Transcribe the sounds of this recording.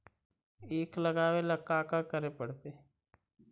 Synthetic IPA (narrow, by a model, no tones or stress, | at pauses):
eːkləɡaːweləkːaːkakəɾepəɽt̪eː